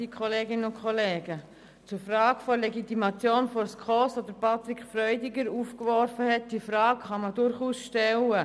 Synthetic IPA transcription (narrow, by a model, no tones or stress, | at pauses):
ikʰχɔleːɡɪnənʊnkʰɔleːɡə | t͡sʊɾfraːɡfɔleɡitimɑt͡sjoːnfoɾskʰɔsodəpʰɑtɾikfrœʏdiɡəɾuːfkvɔɾfəhɛt̚d̥iəfrɑːkχɑmədʊɾχuːsʃtɛlə